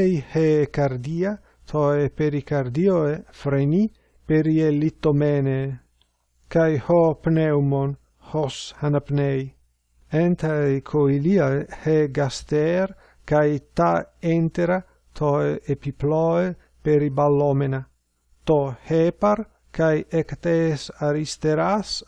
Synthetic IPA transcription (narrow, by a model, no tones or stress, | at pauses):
jhekaɾd̪ia | t̪ʰoepeɾikaɾd̪ioefɾeni | peɾielit̪ːomene | kajhopnewmon | hoshanapnej | ent̪ajkʰoiliaeheɡast̪eɾ | kajt̪aent̪eɾa | t̪ʰoeepiploe | peɾibalomena | t̪ohepaɾ | kajekt̪esaɾist̪eɾas